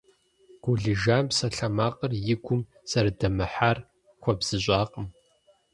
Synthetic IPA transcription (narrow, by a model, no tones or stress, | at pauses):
ɡ̥ʷʊɮɨʒaːmpsɐɬɐmaːqʼərjɪɡʷʊm | sɐɾdɐmɨħaːr | xʷɔbz̥ɨɕʷʼaːqʼəm